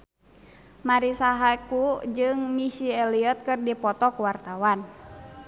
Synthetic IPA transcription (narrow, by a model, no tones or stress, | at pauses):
maɾisaɦakud͡ʒɨŋːisiɛliɔt̪̚kɨrdipɔt̪ɔkuwart̪awan